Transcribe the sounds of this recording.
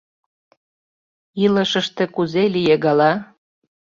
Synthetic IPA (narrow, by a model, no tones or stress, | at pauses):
iləʃəʃt̪ĕkuzelijeɣɑlɑ